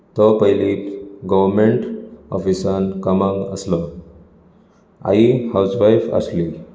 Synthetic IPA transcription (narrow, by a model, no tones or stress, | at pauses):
t̪ɔpəɦjliːt̪ɡɔʋəɾmeɳʈɔ̰fisankəmãŋɡə̰slɔ | a̰ɦihawsʋajfə̰sli